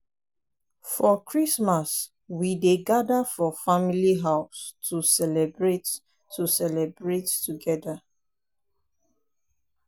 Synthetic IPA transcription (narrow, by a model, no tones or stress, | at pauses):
fɔkʰɹismas | wideɡadafɔfamiliɦaʊstʰusɛlɛbɹetː | usɛlɛbɹettːuɡɛda